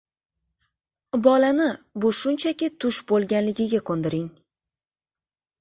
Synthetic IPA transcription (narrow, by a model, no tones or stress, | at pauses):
bɒlanɪbʊʃʊnt͡ʃʰakʲɪt̪ʰʊʃbolˠɡʲanlɪɡʲɪɡʲakʰond̪ɪɾɪŋ